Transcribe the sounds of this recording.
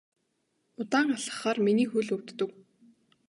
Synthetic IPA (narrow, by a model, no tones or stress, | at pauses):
ʊt̪aːŋaɮə̥̆χaːrminiːxɵɮɵwt̪ːɵ̆k